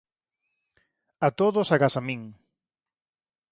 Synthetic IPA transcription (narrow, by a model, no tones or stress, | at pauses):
at̪oðʊsaɣasamiŋ